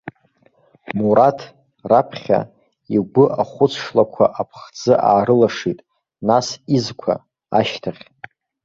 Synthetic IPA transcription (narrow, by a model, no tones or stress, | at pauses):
muɾatʰ | rapʰχʲa̰ | iɡʷʊʔaχʷʊt͡sʰʂlakʷʰaʔapʰχd͡zɨʔaːrɨlaʂitʼ | nasizkʷʰa̰ | a̰ʃtʰaχʲ